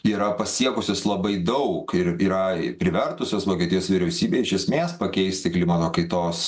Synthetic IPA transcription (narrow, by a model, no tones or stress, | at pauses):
iːɾɐpɐsʲiɛkʊsʲoːslˠɐbɐɪd̪ɐʊkɪɾiːɾɐɪpʲɾʲɪʋʲɛrt̪ʊsʲoːsʋoːkʲiɛt̪ʲɪjoːsʋʲɪɾʲɛʊsʲiːbʲeːɪʃʲɛsʲmʲeːspɐkʲɛɪsʲt̪ʲɪklʲɪmɐt̪oːkɐɪt̪oːs